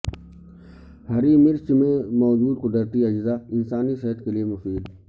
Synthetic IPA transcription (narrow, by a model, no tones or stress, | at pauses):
hɐɾimɪɾst͡ʃimẽmɔːzuːd̪qʊd̪əɾt̪iɐd͡ʒzaɪnsaːniseɦət̪keliemʊfiːl